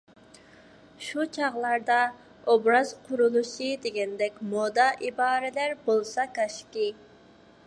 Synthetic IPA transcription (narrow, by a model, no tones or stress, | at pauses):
ʃut͡ʃʰɑʁlˠɑɾd̪ɑ | obɾɑz̥qʰʊɾulˠuʃɨd̪eɡʲɛnd̪ɛkʲmod̪ɑʔibɑːɾɛlæɾbolˠsɑkɑʃkʲi